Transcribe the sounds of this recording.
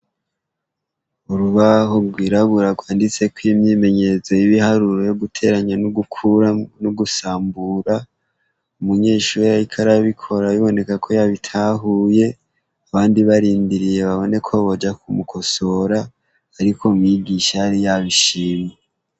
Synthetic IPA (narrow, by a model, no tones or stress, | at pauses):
uɾuβaɦoɡwiːɾaβuɾaɡwaːndit͡se̞kwimɲiːme̞ɲe̞zo̞iβihaɾuɾojoɡutʰe̞ɾaɲanuɡukʰuɾanuɡusaːmbuɾa | umuɲe̞ːʃuːɾjaikʰaɾaβikʰo̞ɾaiβo̞ne̞kakʰo̞jaβitʰaɦuje̞ | aβaːndiβaɾiːmbiɾije̞βaβo̞ne̞kʰoβod͡ʒakumukʰo̞so̞ɾaː | ɾikʰo̞mŋiɡiʃaaɾijaβiʃiːmje